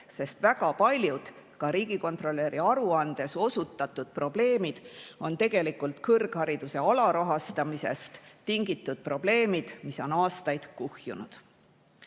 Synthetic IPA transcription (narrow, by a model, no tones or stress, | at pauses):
se̞st̪væɡɑpɑlʲjud̪̥ | kɑɾiːɡ̥iko̞nt̪ro̞lːe̞ɾiɑɾuɑnd̪̥e̞so̞sut̪ːˑɑt̪ːˑud̪̥̚pro̞ble̞ːmid̪̥o̞nt̪e̞ɡ̥e̞likult̪kɤrɡ̥hɑɾid̪use̞ɑlɑɾɑɦɑst̪ɑmise̞̰st̪t̪ːiŋɡ̥it̪ːˑud̪̥̚pro̞b̥le̞ːmid̪̥miso̞nɑːst̪ɑjd̪̥kuhjunud̪̥